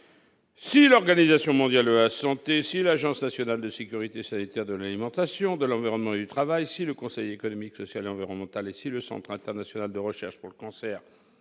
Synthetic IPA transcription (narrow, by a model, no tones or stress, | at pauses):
silɔʁɡanizasjɔ̃mɔ̃d̪jaləasɑ̃t̪esilaʒɑ̃snasjɔnald̪əsekʲyʁit̪esanit̪ɛʁd̪əlalimɑ̃t̪asjɔ̃d̪əlɑ̃viʁɔnmɑ̃ed̪yt̪χavajsiləkɔ̃sɛjekɔnɔmiksɔsjaleɑ̃viʁɔnmɑ̃t̪alesiləsɑ̰̃t̪χɛ̃t̪ɛʁnasjɔnald̪əʁəʃɛʁʃpuʁləkɑ̃sɛʁ